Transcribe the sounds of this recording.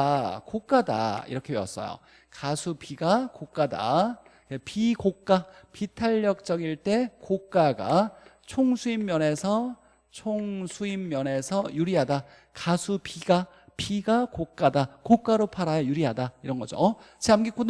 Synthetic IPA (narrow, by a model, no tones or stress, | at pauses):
kok͈ada̰ḭɾʌkʰeɥʌs͈ʌ̰jo̰ | kasʰupiɡakok͈ada̰ | kepikok͈apitʰaʎːʌk̚t͡ɕ͈ʌɡiɭt͈e̞kok͈aɡa̰t͡ɕʰoŋsʰuimːjʌne̞sʰʌ | t͡ɕʰoŋsʰuimːjʌne̞sʰʌjuɾiɦada | kasʰupiɡa | piɡakok͈adakok͈aɾopʰaɾajʌjuɾiɦadaiɾʌnɡʌd͡ʑo̰ | t͡ɕiamɡik͈un